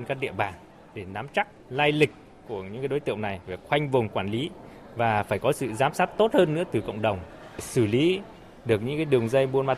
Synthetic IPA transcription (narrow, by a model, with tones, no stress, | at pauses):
nkaː˦˥k̚ɗḭ˧˨əɓaː˨˩ŋ | ɗe˧˩na˨˦mt͡ɕa˦˥k̚laː˧jlï˨˩k̟̚ | ku˧˩əɲɨ̰˧˥ŋkaː˨˦jɗo˨˦t̪ɨ̰˧˨əwna˨˩jve˨˩xwa˧jŋ̟vʊ˨˩ŋ͡mkwaː˧˩nli˨˦ | vaː˨˩faː˧˩jkɔ˨˦sɨ̰˧˨zaː˨˦msaː˦˥t̚t̪o˦˥t̚həː˧nːɨ̰˧˥ət̪ɨ˨˩kə̰˧˨wŋ͡mɗə˨˩wŋ͡m | sɨ˧˩li˨˦ | ɗɨ˨˩ək̚ɲɨ̰˧˥ŋkaː˨˦jɗɨ˨˩əŋzə˧jmu˧ənmaː˧